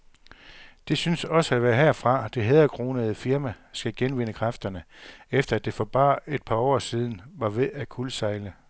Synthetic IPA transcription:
d̥e̝synsɒ̽səæʋæːɐɦeɐ̰fʁɑ̈d̥e̝ɦeðˠɐkʰʁo̝ːnəð̞̩ˠfiɐmæ | sɡ̥æɡ̥enʋe̝nəkʰʁɑfd̥ɐnəefd̥ɐæd̥e̝fɒ̽b̥ɑ̰̈ːe̝d̥̚pʰɑ̈ɒ̰ːsiːð̞ˠn̩ʋɑ̈ʋe̝ækʰulsɑ̈ɪlə

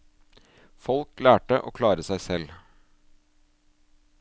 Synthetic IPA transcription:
fɔlklæːʈəʔo̰ːkʰlɑːɾəsæɪsɛl

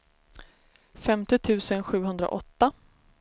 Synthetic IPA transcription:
fɛmt̪ɪt̪ʰʉ̟ːsənɧʉ̟ːɦɵnd̪ɾa̰ʔɔt̪ːa

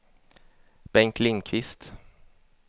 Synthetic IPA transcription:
b̥ɛŋkʰlɪŋkʰʋɪst̪

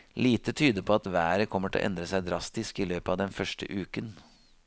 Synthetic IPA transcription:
liːt̪ət̪ʰyːd̪əpʰɔɑt̪ʋæːɾəkʰɔmːəʈʰɪl̰ʔɛ̰nd̪ɾəsæɪd̪ɾɑst̪ɪskɪløːpəɑʋd̪ɛnfœʂʈə̰ʔʉːkən

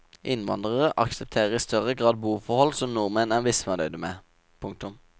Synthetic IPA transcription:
ʔɪnʋɑ̰nd̪ʁəʁəʔɑksəp̚t̪ʰeːʁəiːst̪ʰœʁəɡʁɑːd̪̚buːfɔhɔlsɔmnʊʁmenæʋɪsmɛːd̪œʏd̪əmeː | pʰʊŋk̚t̪ʊm

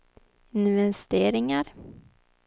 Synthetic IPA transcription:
ɪnvɛst̪eːɾɪŋaɾ

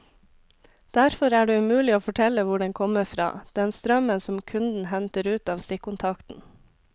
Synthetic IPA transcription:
d̪̥æɾfɔɾæːɖeːʉmʉːlɪoːfɔʈʰɛləʋʊɖɛŋkʰɔməfɾɑ̰ːd̪̥ɛnst̪ɾœmənsɔmkʰʉnd̪n̩hɛnt̪əɾʉːt̪ɑːʋst̪ɪkːʊnt̪ʰɑkt̪n̩

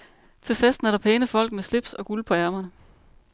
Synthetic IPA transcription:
t͡sʰe̝fesd̥n̩æɾ̥ɑpʰɛːnəfɒ̽l̰ɡ̥̚mesle̝b̥sɒ̽ɡ̥ulpʰɒ̽æɐmɐnə

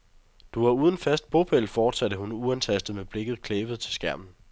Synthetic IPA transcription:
d̥uʋɑ̈uːð̞ˠən̩fæsd̥̚b̥o̝pʰel̰fɒːd̥sædəhunuænt͡sʰæsd̥ð̩ˠmeb̥le̝ɡ̥ð̞̩ˠkʰleːʋəð̞̩ˠt͡sʰe̝lsɡ̥æɐ̰mn̩

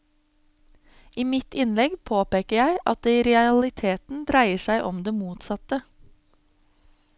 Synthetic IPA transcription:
ʔiːmɪt̪ɪnlɛɡpʰoːpeːkəjæɪʔɑt̪̚d̪eːiːɾɛɑɑlɪt̪ʰeːt̪n̩d̪ɾæɪəʃæɪʔɔmd̪eːmuːt̪sɑt̪ə

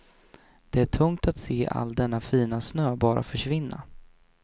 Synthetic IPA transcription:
d̪̥ɛæʈʰɵŋt̪at̪seːʔa̰lːd̪ɛnːafiːnasnøːbɑːɾʔa̰fœʂvɪnːa̰

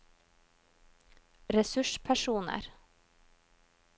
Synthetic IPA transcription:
ɾɛsʉʃpʰæʃuːnə̰ɾ

